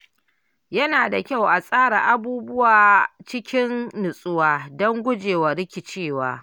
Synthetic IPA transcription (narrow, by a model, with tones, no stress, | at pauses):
jɐ˦naː˨da˨kʲa˦˨wʔa˨sʼaː˦ɽa˨ʔa˦buː˦bʊ˦waː˨t͡ʃɪ˦kʲɪ˦nːʊ˨sʼʊ˦waː˨dɔ˦ŋɡʷʊ˦d͡ʒeː˨wa˨ɾɪ˦kʲɪ˨t͡ʃeː˦˨wa̰ː˨